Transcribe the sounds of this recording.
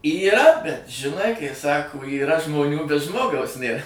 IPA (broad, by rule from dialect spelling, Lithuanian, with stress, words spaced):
iːˈrɐ bʲɛt ʒʲɪˈnɐɪ kɐɪ ˈsɑːkoː iːˈrɐ ʒmoːˈnʲuː bʲɛt ˈʒmoːɡɐʊs ˈnʲeːr